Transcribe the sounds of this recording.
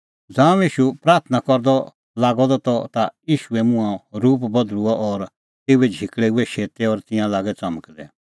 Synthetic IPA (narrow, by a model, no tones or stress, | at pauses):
d͡zãːiːʃupɾaːɾt̪ʰnakɔɾd̪ɔ | laːɡɔd̪ɔt̪ɔt̪ajiːʃuɛmʊ̃ãɾuːpbɐd̪luɔʔɔɾ | t̪eːuɛd͡ʒʱɪkɭɛuɛʃeːt̪ɛɔːɾt̪ɪ̃jãlaːɡɛt͡sɐməklɛ̰